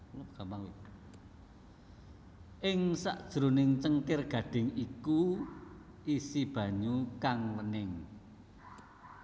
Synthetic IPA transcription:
loɡ̥amaŋwi | ʔɪŋsa̰ʔd̥ʒ̥ɾonɪŋt͡ʃəŋkɪrɡ̥ä̤ɖ̥ɪ̤ŋiku | ʔisib̥ä̤ɲukaŋlənɪŋ

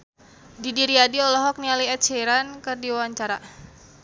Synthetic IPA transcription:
didiɾiadiɔlɔɦɔk̚nialiɛt̪t͡ʃeɾankɨrdiwawaɲt͡ʃaɾa

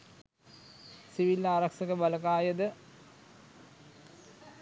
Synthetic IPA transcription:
siʋilːaːɾɐksɐkəbɐlɐkaːjɐd̪ə

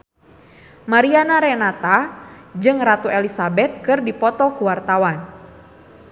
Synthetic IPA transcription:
maɾianaɾɛnat̪ad͡ʒɨŋrat̪uʔɛlisabɛt̪̚kɨrdipɔt̪ɔkuwart̪awan

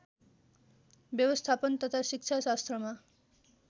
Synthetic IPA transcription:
bjʌwʌst̪ʰapʌnt̪ʌt̪ʰasik̚t͡sʰasast̪rʌma

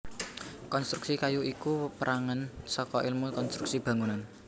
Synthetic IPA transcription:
kɔnst̪ɾuksikajuikuwəpəɾʔaŋansɔkɔʔilmukɔnst̪ɾuk̚sib̥ä̤ŋunan

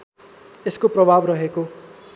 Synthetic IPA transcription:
eskoprʌbʱabrʌɦeko

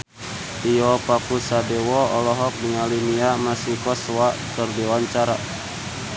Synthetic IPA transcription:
tiɔpakusadɛwɔɔlɔɦɔk̚diŋaliniamasikɔswakɨrdiwaɲt͡ʃaɾa

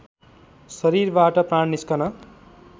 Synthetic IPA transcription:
sʌɾirbaʈʌpraɳniskʌnʌ

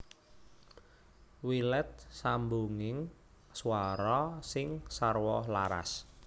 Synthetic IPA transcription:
wilɛt̪̚samboŋɪŋ | suaɾɔsɪŋsarwɔlaɾa̰s

